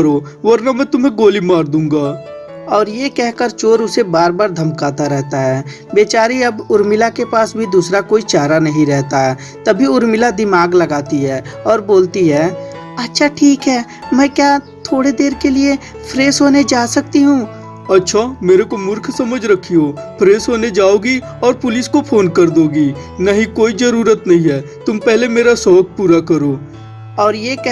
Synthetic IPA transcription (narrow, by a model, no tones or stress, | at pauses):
əɾoː | ʋɐɾnamɛ̃ːt̪ʊmɦẽɡoːlimaːɾd̪ũːŋɡaː | ɔːɾjekɛɦkəɾt͡ʃoːɾʊsebaːɾbaːɾd̪ʱɐmkaːt̪aɾɛɦt̪aɦɛː | beːt͡ʃaːɾiɐbʊɾmɪlakepaːsbʱid̪uːsɾakoːit͡ʃaːɾanɐɦĩɾɛɦt̪aɦɛː | t̪ɐbʱiʊɾmɪlad̪ɪmaːɡlɐɡaːt̪iɦɛːɔːɾboːlt̪iɦɛː | ɐtːʃʰaʈʰiːkɦɛː | mɛ̃ːkjaː | t̪ʰoːɽed̪eːɾkelie | pʰɾeːsɦoːned͡ʒaːsɐk̚t̪iɦũː | ɐtːʃʰameːɾekomʊɾkʰsɐməd͡ʒʱɾɐkʰːijoːpʰɾeːsɦoːned͡ʒaːoːɡi | ɔːɾpʊlɪskopʰoːnkɐɾd̪oːɡiː | nɐɦĩkoːizɐɾuːɾət̪nɐɦĩɦɛː | t̪ʊmpɛɦlemeːɾasɔːk̚puːɾakɐɾoː | ɔːɾjek